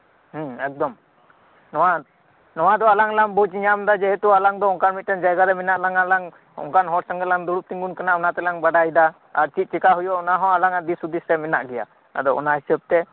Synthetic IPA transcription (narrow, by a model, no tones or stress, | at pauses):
h̩ɛk̚d̪ɔm | nɔwa | nɔwad̪ɔalaŋlambut͡ʃiɲamd̪ad͡ʒɛɦɛt̪ualaŋd̪ɔɔŋkanmit̪̚ʈɛnd͡ʒajɡaɾɛminaʔlaŋalaŋ | ɔ̰ŋkanɦɔɾsaŋɡɛlaŋd̪uɽuʔt̪iŋɡunkanaɔnat̪ɛlaŋbaɖajd̪a | aɾt͡ʃit̪̚ˀt͡ʃikaɦujɔɔnaɦɔ̃alaŋad̪isud̪isɾɛmɛnaʔɡɛja̰ | a̰d̪ɔɔ̰nahisəb̚t̪ɛ